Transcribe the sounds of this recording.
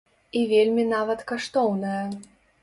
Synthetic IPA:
ivʲelʲmʲinavɐt̪kaʂt̪ɔwnɐjɐ

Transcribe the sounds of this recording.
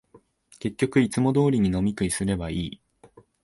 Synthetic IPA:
ke̞kʲːo̞kɯ̟it͡sɨmo̞d̪o̞ːɾʲiɲ̟ino̞mʲikɯ̟isɨɾe̞baiː

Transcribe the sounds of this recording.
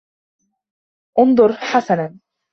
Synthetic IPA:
ʔʊnd̪ˤʊɾˤħasanan

